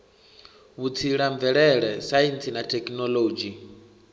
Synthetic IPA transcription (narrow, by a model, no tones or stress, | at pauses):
βut͡sʰiɺaɱvɛɺɛɺɛsajint͡sinatʰɛkʼnɔloːd͡ʒi